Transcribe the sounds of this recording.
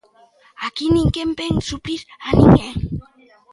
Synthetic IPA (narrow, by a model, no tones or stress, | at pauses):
akiniŋkempeŋsupiɾaniŋe